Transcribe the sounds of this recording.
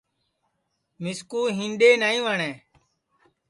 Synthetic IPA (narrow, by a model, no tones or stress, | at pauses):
mɪskuːɦĩːnɗeːnaːĩːʋaːɳɛ̃ː